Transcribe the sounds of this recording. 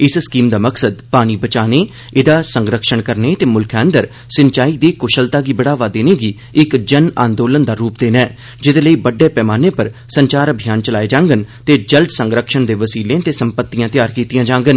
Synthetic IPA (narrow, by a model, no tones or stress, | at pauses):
ɪsskiːmd̪aːməksəd̪paːñiːbət͡ʃaːneː | ɪd̪aːsəŋɡɾəkʃəɳkəɾneːt̪eːmʊlkʰɛ̃ːnd̪əɾ | sɪnt͡ʃaːiːd̪eːkʊʃəlt̪aːɡiːbəɽaːʋaːd̪eːneːɡiː | ɪkd͡ʒəna̰ːnd̪oːlənd̪aːɾuːp̚d̪eːnɛː | d͡ʒɪd̪eːləiːbəɖːeːpɛːmaːneːpəɾsəɲt͡ʃaːɾəbʱijaːnt͡ʃəlaːeːd͡ʒãːŋɡənt̪eːd͡ʒəld̪sə̃ŋɡɾəkʃəɳd̪eːʋəsiːlẽːt̪eːsəmpət̪ːijãːt̪ɪjaːɾkiːt̪ijãːd͡ʒãːŋɡən